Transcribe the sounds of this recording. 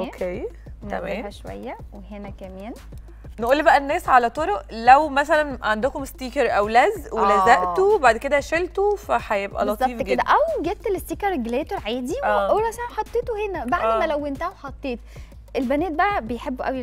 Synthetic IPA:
ʔokʰeː | æmæːmæʃowæ̰jːæ | weɦenækæmeːn | nʔuːlːibæʔænːæːsʕalæt̪ˤoɾoʔlæwmæsælænʕand̪okomst̪iːkeɾʔæwlæzwelæzæʔt̪obaʕd̪ked̪æʃelt̪ofæħæjebʔæ̰lɑt̪zˤɑiːfɡed̪æʔæwɡeb̚t̪lest̪iːkɑɾˤeɡleːt̪oɾʕeːd̪iwʔoɾˤɑsænæħɑt̪ˤːeːt̪wehenæbaʕd̪mælæwːent̪æhæwħɑt̪ˤːeːt̪̚ | ʔelbæneːt̪̚bæʔæbejħebːʔæ̰wi

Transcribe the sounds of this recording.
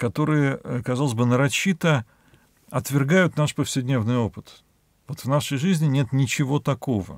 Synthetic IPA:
kɐt̪o̞ɾɨjəəkɐzalˠəzʲbɨnəɾɐɕːit̪ə | ɐt̪vʲɪrɡajʊt̪naʂpəfsʲɪd̪ʲnʲe̞vnɨjo̞pɨt̪ | vot̪vnaʂəjʐɨzʲnʲɪnʲe̞t̪nʲɪt͡ɕɪvo̞t̪ɐko̞və̰

